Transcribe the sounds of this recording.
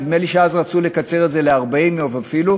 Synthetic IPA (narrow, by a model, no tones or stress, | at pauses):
d̪meliʃeazʁat͡sule̞kat͡se̞ʁetze̞leaʁbaimjovafilu